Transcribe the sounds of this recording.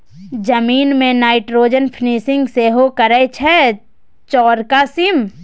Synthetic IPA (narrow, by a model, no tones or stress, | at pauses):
d͡ʒɐmiːnmẽnaːɪʈɾoːd͡ʒənpʰniːsɪ̃ŋɡseɦokəɾɛt͡ʃʰɛ | t͡ʃɔːɾkasɪm